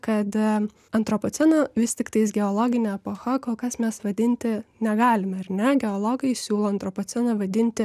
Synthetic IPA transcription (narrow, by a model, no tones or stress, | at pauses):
kɐt̪ | ɐnt̪ɾopoːt͡s̪ʲɛnoʋʲɪst̪ʲɪkt̪ɐɪsɡʲɛolˠoːɡʲɪnʲɛɐpoxɐkoːlˠkɐsmʲɛsʋɐd̪ʲɪnʲt̪ʲɪnʲɛɡɑːlʲɪmɐɾʲnʲɛɡʲɛolˠoːɡɐjɪsʲuːlˠoːɐnt̪ɾopoːt̪t͡ssʲɛnɐʋɐd̪ʲɪnʲt̪ʲɪ